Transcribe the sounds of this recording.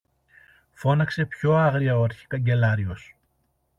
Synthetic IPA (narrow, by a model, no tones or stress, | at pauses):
fo̞nɐkse̞pço̞ɐɣɾiɐoɐɾçi̥kɐɲɟe̞lɐɾio̞s